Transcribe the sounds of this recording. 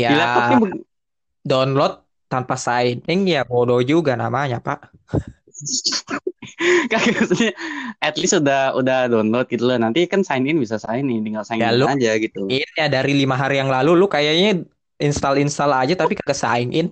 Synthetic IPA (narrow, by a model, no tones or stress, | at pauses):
jabilaaɪ | dɔnlɔt̪̚ːanpasaɪnɪŋjabodod͡ʒuɡanamaɲapaʔ | kakəsɲaɛt̪lɪsudahudahdɔnlɔt̪̚ɡit̪ulanant̪ikansaɪnɪnbisasaɪnɪdəŋalsaɪjalʊad͡ʒaɡit̪uɪnjadaɾilimaɦaɾijaŋlalulʊkajaɲa | inst̪alinst̪alad͡ʒat̪apikakəsa̰ɪnʔɪn